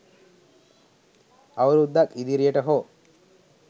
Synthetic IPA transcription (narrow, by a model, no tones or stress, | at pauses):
aʋɐɾud̪ːakid̪iɾijəʈəɦoː